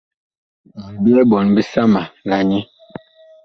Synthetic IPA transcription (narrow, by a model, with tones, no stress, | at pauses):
zi˨bi˦ɛ˦bɔ˨nbi˦sa˦ma˨la˨ɲi˦